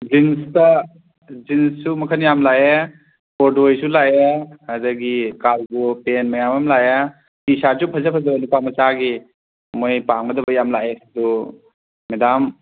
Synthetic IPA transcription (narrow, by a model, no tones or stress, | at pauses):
d͡ʒinstɐ | zinssumɐkʰɐnjamlaje | pɔdojsulajeɐdɐɡikalɡopenmɐjamamlaja | pisad͡ʒupʰɐzɐpʰɐzɐbɐlupamɐsaɡi | mojpaŋbɐdɐbɐjamlajedɔ | medam